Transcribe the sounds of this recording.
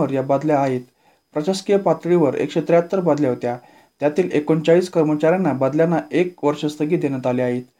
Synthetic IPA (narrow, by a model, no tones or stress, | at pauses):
əɾjabad̪ljaːɦiːt̪ | pɾət͡ɕaskijəpat̪ɭiʋəɾḛkʂet̪ɾjaət̪ːəɾbad̪ljaɦot̪ja | t̪jat̪iːlekont͡ɕaɭiːskəɾmət͡ɕaɾjanːabad̪ljanːaekʋəɾʂəst̪ʰəɡiːd̪eñjat̪aleaɦiːt̪